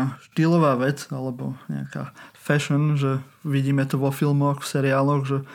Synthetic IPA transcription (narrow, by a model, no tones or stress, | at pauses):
aʃt̪iːlɔʋaːʋɛd͡zalɛbɔ̰ɲɛ̰a̰ka̰ːfɛʃɔnʒɛ | ʋiɟiːmɛt̪ɔʋɔfilmɔxfsɛɾiaːlɔɣʒɛ